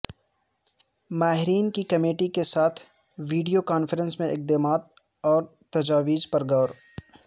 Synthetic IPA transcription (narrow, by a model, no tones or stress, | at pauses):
maːɦɪɾiːnkikɐmeːʈikesaːt̪ʰ | ʋiːɖijokaːnfəɾə̃nsmẽɪk̚d̪eːmaːt̪̚ | ɔːɾt̪ɐd͡ʒaːʋiːd͡ʒpɐɾɡɐːɾ